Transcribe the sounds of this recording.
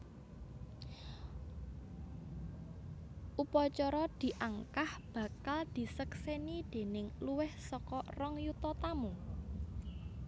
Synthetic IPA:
ʔupɔt͡ʃɔɾɔd̪̥i̤ʔaŋkahb̥ä̤kald̪̥i̤səksenid̪̥e̤nɪŋluwɪhsɔkɔrɔŋjut̪ɔt̪amu

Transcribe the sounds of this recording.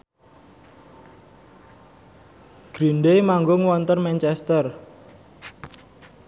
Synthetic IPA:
ɡ̥ɾinɖejmaŋɡʊŋwɔnt̪ərmɛnt͡ʃɛst̪ər

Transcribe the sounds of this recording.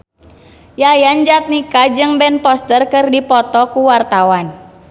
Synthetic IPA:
jajand͡ʒat̪̚nikad͡ʒɨŋbɛnpɔst̪ərkɨrdipɔt̪ɔkuwart̪awan

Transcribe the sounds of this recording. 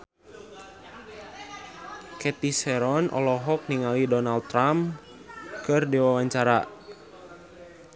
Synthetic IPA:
kɛt̪isɛɾɔnʔɔ̰lɔɦɔk̚niŋalidɔnald̪̚t̪ːɾam | kɨrdiwawaɲt͡ʃaɾa

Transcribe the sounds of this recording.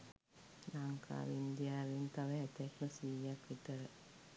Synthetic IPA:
naŋkʰa̰ːʋind̪ijaːʋint̪aʋəɦɛt̪ɛkməsiːjakʋit̪əɾə

